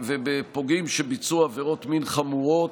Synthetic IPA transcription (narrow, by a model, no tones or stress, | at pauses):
vebepo̞ɡimʃebit͡suaveʁo̞t̪minχamuʁot